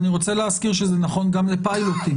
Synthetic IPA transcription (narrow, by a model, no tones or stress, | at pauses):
niʁo̞t͡seleaskiʁʃezenaχo̞nɡamlepajlot̪i